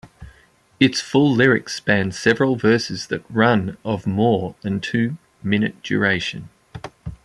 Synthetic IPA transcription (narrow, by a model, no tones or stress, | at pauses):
ɪtsfʊlˠlɪɹɪkspæ̃n̥sɛvəɹəlˠvɜˑ˞sɪzðət̚ɹʌ̃nəvmɔːðə̃ntʰʉː | mɪ̃nɨt̚d̥ʒ̥ə̰ɹeɪʃɨ̰̃n